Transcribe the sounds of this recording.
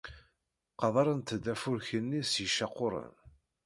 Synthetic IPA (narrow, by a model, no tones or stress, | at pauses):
qɑðˤɑɾˤənt̪d̪æfʊɾçənːisjiʃɑqʊɾˤə̰n